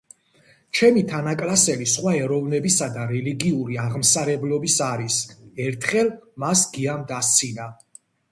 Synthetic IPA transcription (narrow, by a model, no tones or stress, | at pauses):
t͡ʃʰɛmit̪ʰanakʼlasɛlisχwaɛɾɔvnɛbisad̪aɾɛliɡiuɾiaʁmsaɾɛblɔbisaɾisɛɾt̪ʰχɛlˠmasɡiamd̪ast̪sʰina